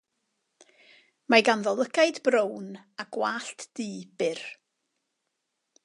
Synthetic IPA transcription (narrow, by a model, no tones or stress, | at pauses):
maɡanðɔlˠəkʰajdbrownaɡ̥waːɬtʰd̥iːb̥ɪr